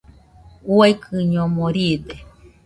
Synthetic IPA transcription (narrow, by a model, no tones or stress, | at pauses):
uakʰɨɲomoɾid̪e